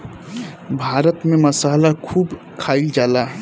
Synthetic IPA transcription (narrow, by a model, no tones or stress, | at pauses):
bʱaːɾət̪mẽmɐsaːlakʰuːb | kʰaːild͡ʒaːlaː